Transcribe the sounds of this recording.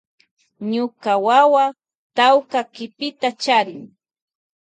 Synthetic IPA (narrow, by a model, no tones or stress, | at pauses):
ɲʊkawawa | t̪awkakɪpɪt̪at͡ʃaɾɪŋ